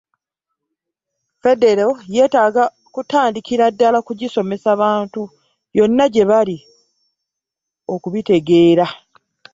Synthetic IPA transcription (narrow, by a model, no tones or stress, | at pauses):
fe̞de̞ɾeoje̞ːtaːɡa | kutaːndikiɾadːalakuɟiso̞me̞saβaːntu | jo̞nːaɟe̞βali | o̞kuβite̞ɡe̞ːɾa